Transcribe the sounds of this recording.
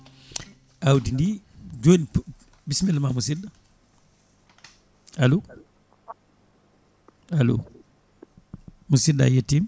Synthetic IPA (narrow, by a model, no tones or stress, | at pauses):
ʔawdindiɟoːn | bismɛlmamusida | alu | alṵ | musida̰jetːim